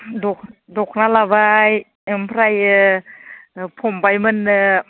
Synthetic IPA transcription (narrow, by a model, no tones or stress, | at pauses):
dɔk̚dɔk̚ʰnalabaj | mpʰɾaj | pʰɔmbajmɯnɯ